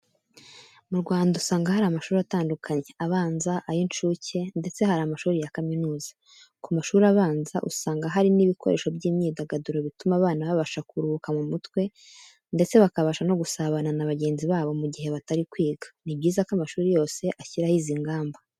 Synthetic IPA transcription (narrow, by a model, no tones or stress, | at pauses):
muɾɡwaːndausaːŋɡahaɾamaʃuːɾiataːndukʰaɲe̞aβaːnzaʔajint͡ʃuːce̞nde̞t͡se̞haɾamaʃuːɾijakaminuːzḁ | kumaʃuːɾiaβaːnza̰ʔusaːŋɡaɦaɾiniβiko̞̰ɾe̞̰ːʃo̞bɟiːmɲiːdaɡaduɾo̞βitumaβaːnaβaβaʃakuɾuβukamumutwe̞ | nde̞t͡se̞βakaβaʃano̞ɡusaβananaβaɟe̞ːnziβaːβo̞muɟihe̞βataɾikwiːɡḁnibɟiːzakoamaʃuːɾijo̞ːse̞ʔaçiɾahiziŋɡaːmba